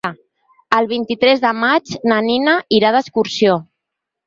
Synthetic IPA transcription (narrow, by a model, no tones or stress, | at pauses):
əlˠβ̞int̪it̪ɾɛzðəmad͡ʒnəninəiɾaðəskuɾsio